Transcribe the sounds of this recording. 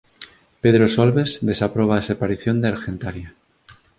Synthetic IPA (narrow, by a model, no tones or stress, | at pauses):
peðɾosolβezd̪e̞sapɾoβ̞aesepaɾiθjo̞nd̪eaɾxẽnt̪aɾja